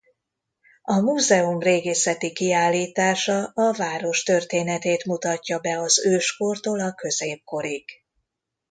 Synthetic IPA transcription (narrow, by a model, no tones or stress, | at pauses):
ɒmuːzɛumreːɡeːsɛt̪ikiaːlːiːt̪aːʃɒɒvaːɾo̞ʃt̪ø̞rt̪eːnɛt̪eːt̪mut̪ɒcːɒbɛɒzøːʃko̞rt̪oːlɒkø̞zeːp̚ko̞ɾik